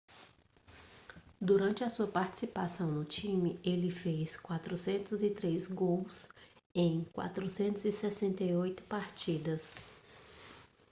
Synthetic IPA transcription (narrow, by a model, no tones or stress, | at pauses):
d̪uɾɐ̃nt͡ʃɪɐsuɐpaɾt͡ʃi̥sipasɐ̃w̃nʊt͡ʃĩmɪelɪfeskwat̪ɾʊsẽnt̪ʊzɪt̪ɾezɡows | ẽj̃kwa̰t̪ɾusẽnt̪ʊzɪsɛsẽnt̪ejojt̪ʊ̥paɾt͡ʃid̪ɐs